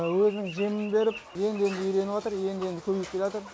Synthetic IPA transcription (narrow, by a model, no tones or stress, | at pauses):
wɵzɪnɪŋʒemɪnbe̞ɾɪp̚je̞nd̪ɪe̞nd̪ɪʏjɾe̞nɪwɑt̪əɾje̞nd̪ɪe̞nd̪ɪkʲʰɵbejɪp̚kʲelɑt̪əɾ